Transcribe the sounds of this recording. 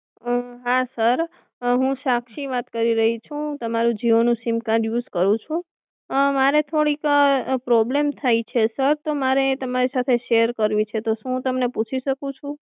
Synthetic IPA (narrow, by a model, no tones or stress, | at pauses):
ɦasəɾ | ɦũʃakʃiʋat̪kəɾiɾəɦit͡ʃʰũt̪əmaɾũd͡ʒiʋonũsimkãɖjuzkəɾũt͡ʃʰũ | maɾet̪ʰoɽikpɾɔblemt̪ʰait͡ʃʰesəɾt̪omaɾet̪əmaɾisat̪ʰeʃeəɾkəɾʋit͡ʃʰet̪oʃũt̪əmneput͡ʃʰiʃəkũt͡ʃʰũ